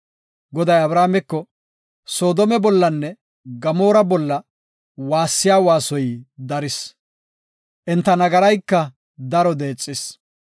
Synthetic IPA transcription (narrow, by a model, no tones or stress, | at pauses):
ɡɔd̪ɐjɐbɾaːmɛkːɔ | so̞ːd̪ɔmɛbɔlːɐnːɛ | ɡɐmo̞ːɾɐbɔlːɐ | waːsːɪjaːwaːsɔjd̪ɐɾɪs | ʔɛnt̪ːɐnɐɡɐɾɐjkːɐ | d̪ɐɾɔd̪e̞ːt͡sʼːɪs